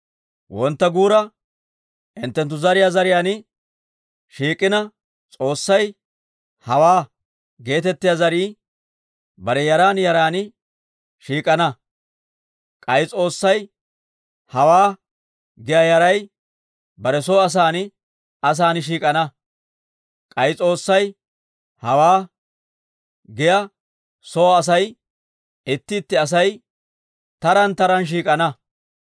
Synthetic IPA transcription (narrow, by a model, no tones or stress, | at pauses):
wɔnt̪ːɐɡuːɾɐ | ʔɪnt̪ːɛnt̪ːʊzɐɾɪjaːzɐɾɪjaːnɪ | ʃiːkʼːɪnɐ | t͡sʼo̞ːsːɐj | hɐwaː | ɡe̞ːt̪ɛt̪ːɪjaːzɐɾiː | bɐɾɛjɐɾaːnjɐɾaːn | ʃiːkʼɐnɐ | kʼɐjɪt͡sʼo̞ːsːɐj | hɐwaː | ɡɪjɐjɐɾɐj | bɐɾɛsɔːɐs̬aːnɪ | ɐs̬aːnɪʃiːkʼɐnɐ | kʼɐjt͡sʼo̞ːsːɐj | hɐwaː | ɡɪjɐ | soːs̬ɐj | ɪt̪ːɪːt̪ːɪɐs̬ɐj | t̪ɐɾɐnt̪ɐɾɐnʃ̬iːkʼɐnɐ